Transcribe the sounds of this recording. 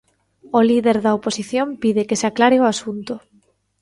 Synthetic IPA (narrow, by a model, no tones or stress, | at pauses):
oliðeɾðɐoposiθjompiðɪkɪsaklaɾɪoasunt̪ʊ